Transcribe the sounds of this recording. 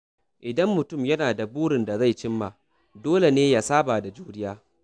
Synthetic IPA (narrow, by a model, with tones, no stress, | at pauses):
ʔɪ˨dɐ˦mːʊ˨tʊ˦˨mjɐ˦naː˨da˨buː˦ɽɪ˨nda˨za˦˨jt͡ʃɪ˦mːaː˨ | doː˦le˨neː˦ja˨saː˦baː˨da˨d͡ʒuː˦dɪ˦jaː˦